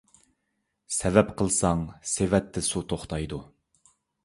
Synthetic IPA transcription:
sɛvɛpqʰəlˠsɑŋsevɛt̪ʰːɪsut̪ʰoχt̪ʰɑjd̪u

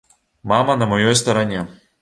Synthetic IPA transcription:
mɑmɐnɐmɔjɔjs̬t̪ɐɾɐnʲe

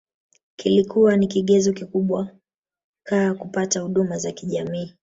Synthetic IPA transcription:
kilikuwanikiɠɛzɔkikuɓwa | kaːkupatahuɗumazakiʄamiː

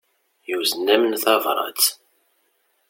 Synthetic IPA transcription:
juzənːæmənθɑvɾˤɑ̰t͡s

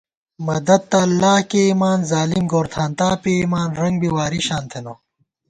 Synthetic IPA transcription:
mɐd̪ɐd̪̚t̪ɐɐlːaːhkeimaːnzaːlimɡoːɾt̪ʰaːnt̪aːpeimaːnɾɐŋɡbiwaːɾiɕaːnt̪ʰeno

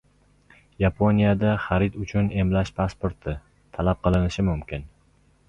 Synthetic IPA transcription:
japʰonijad̪aχaɾɪt̪ʊt͡ʃʰʊne̞mlaʃpʰaspoɾt̪ʰɪ | t̪ʰalap̚qɨlˠɪnɪʃɪmʊmkʲʰɪn

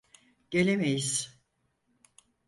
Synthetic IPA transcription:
ɟ̥e̞lʲemejiz̥

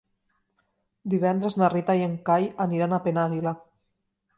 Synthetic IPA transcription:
d̪iβ̞ɛnd̪ɾeznarit̪ajeŋkajaniɾanapenaɣila

